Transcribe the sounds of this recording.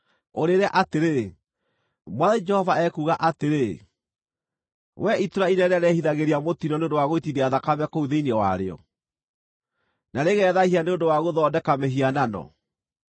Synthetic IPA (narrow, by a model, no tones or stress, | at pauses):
oɾeɾɛaʔateɾe | mwaðɛd͡ʒɛhɔvaɛkuːɣaʔateɾe | wɛituɾainɛnɛɾɛhiðaɣeɾiamotinɔneondowaɣoitiðeaðakamɛkouðeineɔwa̰ɾḛɔ̰ | naɾeɣɛðahianeondowaɣoðɔːdɛkameɦiananɔ̰